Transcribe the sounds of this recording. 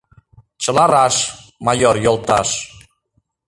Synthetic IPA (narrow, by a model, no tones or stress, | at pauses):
t͡ɕə̆lɑɾɑʃmɑjoɾjolˠt̪ɑʃ